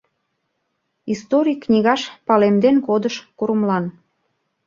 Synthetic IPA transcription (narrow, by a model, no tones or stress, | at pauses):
ist̪oɾʲiknʲiɣɑʃpɑlemd̪enkod̪əʃkuɾəmlɑn